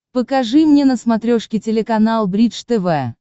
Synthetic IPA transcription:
pəkɐʐɨmnʲenəsmɐt̪ɾʲoʂkʲɪtʲɪlʲɪkɐnalˠbɾʲiʂt̪ɛvɛ

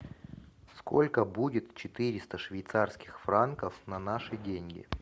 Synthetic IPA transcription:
skolʲkəbudʲɪt̪t͡ɕɪt̪ɨɾʲɪst̪əʂvʲɪjt̪sarskʲɪ̥xfrankəfnɐnaʂɨdʲenʲɡʲɪ̰

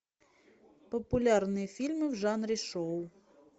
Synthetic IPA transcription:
pəpʊlʲarnɨjəfʲilʲmɨvʐanɾʲɪʂow

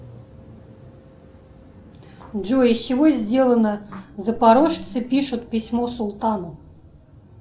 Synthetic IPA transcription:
ʐoɪsʲt͡ɕɪvozʲdʲelˠənəzəpaɾoʂt̪sɨpʲiʂʊt̪pʲɪsʲmosʊlˠt̪anəm

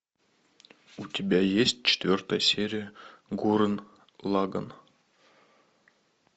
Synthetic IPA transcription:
utʲebʲæjesʲt̚ʲt͡ɕɪ̥t̪ʲvʲørt̪ɑjsʲeɾʲijəɡuɾə̆n | lˠɑɡɤ̰n

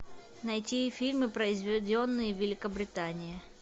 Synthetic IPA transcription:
nɐjtʲifʲilʲmɨpɾəɪzvʲɪdʲonːɨjəvʲɪlʲɪkəbɾʲɪt̪anʲɪjɪ

